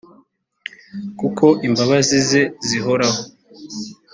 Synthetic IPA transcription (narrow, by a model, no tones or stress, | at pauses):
kukʰo̞ʔimbaβazizeziɦo̞ɾaho